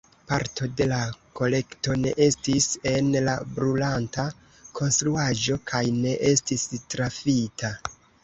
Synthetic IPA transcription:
paɾto̞de̞lako̞le̞kto̞ne̞̰ʔe̞stise̞nlabɾulanta | kʰo̞nstɾuaʒo̞kʰajne̞ʔe̞stistɾafitʰa

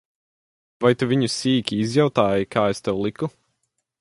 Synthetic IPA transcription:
vajt̪uvʲiɲusiːkʲiizjawt̪aːjikʰaːest̪ɛwlˠiku

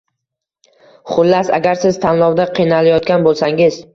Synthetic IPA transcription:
χʊlːasa̰ɡʲaɾsɪzt̪ʰanlˠɒwd̪aqʰijnalajɒt̪kʲanbolˠsaŋɪz

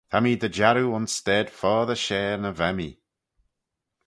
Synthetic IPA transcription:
t̪ʰamid̪əd͡ʒaɾuʊnstɛd̥fɔːðəʃɛːɹnəvɛmḭ

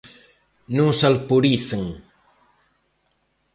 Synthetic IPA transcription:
nũŋsalpuɾiθeŋ

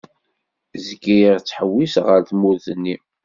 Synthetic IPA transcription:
zɡijəʁt͡sːħəwːisʁəɾθmuðənːi

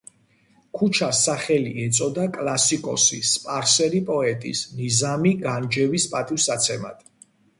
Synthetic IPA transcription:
kʰut͡ʃʰasaχɛliɛt̪sʼɔd̪akʼlasikʼɔ̰sispʼaɾsɛɾipʼɔɛt̪ʼḭsnizamiɡand͡ʒɛvispʼat̪ʼivsat̪sʰɛma̰d̪̥ʰ

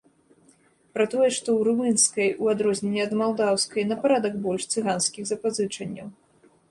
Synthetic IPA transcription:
pɾat̪ɔjɛʂt̪ɔwɾumɨnskɐjuad̪ɾɔzʲnʲɛnʲːɛɐd̪malˠd̪awskɐjnɐpaɾad̪ɐɡbɔlʲʂt̪sɨɣanskʲiɣzɐpazɨt͡ʂɐnʲːɐ̰w

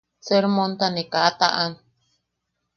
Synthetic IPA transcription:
seɾmõnt̪anĩkaat̪ãʔan

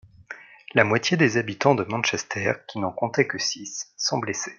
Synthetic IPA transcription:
lamwat̪jed̪ezabit̪ɑ̃d̪əmɑ̃nʃɛst̪ʰɛʁkʲinɔ̃kɔ̃t̪ɛkəsisːɑ̃blese̥

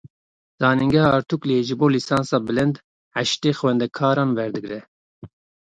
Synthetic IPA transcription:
zɑːniŋɡɛhɑːɾt̪ʰukleʒɨboːlisɑːnsɑːbɨlɨnd̪ | ʕaʃt̪eːxwɛnd̪ɛkʰɑːɾɑːnvɛɾd̪ɨɡɾɛ

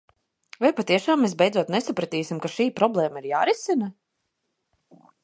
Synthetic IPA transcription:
vajpat̪iɛʃaːmːes̬bɛjd̪zuɔt̪nɛsapɾat̪iːsʲimkaʃiːpɾɔblˠɛːmaiɾjaːɾisina

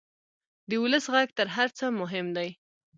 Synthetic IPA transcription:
d̪əwʊləsɣaɡt̪əɾɦaɾt͡səmʊɦɪmd̪aj

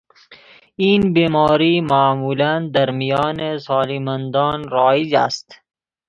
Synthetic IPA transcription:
iːnbiːmɔːɾiːmaːmuːland̪aɾmijɑːnesɑːlimand̪ɔːnɾɔːid͡ʒa̰st̪

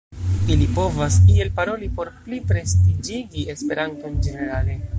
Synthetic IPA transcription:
ilipo̞vasie̞lpaɾo̞lipo̞ɾplipɾe̞stid͡ʒiɡie̞spe̞ɾanto̞nd͡ʒe̞ne̞ɾale̞

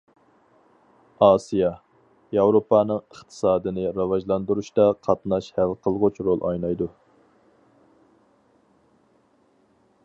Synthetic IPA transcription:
ɑːsijɑ | jɑwɾopʰɑnɨŋəχt̪ʰə̥sɑːd̪ɨnɨɾɑvɑʒlˠɑnd̪uɾuʃt̪ɑqʰɑt̪nɑʃhælqʰəlˠʁʊt͡ʃɾolˠʔɑ̰jnɑjd̪u

